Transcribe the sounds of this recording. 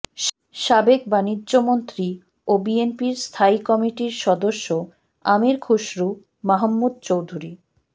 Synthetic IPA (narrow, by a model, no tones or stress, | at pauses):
ʃabek̚banidːʑomont̪ɾi | obienpiɾst̪ʰaikɔmiʈiɾʃɔd̪oʃːo | amiɾkʰuʃɾu | maɦəmːud̪̚t͡ɕowd̪ʱuɾi